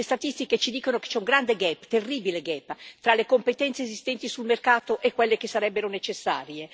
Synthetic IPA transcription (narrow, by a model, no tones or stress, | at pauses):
lest̪at̪ist̪iket͡ʃid̪iːkonoke̥t͡ʃɛuŋɡɾand̪eɡɛpːt̪erːiːbileɡɛpːt̪ɾalekompet̪ɛnseːzist̪ɛnt̪isulmerkaːt̪oʔekwelːek̟esːaɾɛbːeɾonet͡ʃesːa̰ːɾje